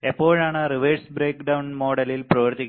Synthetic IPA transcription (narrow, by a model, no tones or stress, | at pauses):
epːoːɻaːɳɨriʋeːɖsbɾeːkɖɐwnmo̞ːɽɐlilprɐʋɐrt̪ikʲː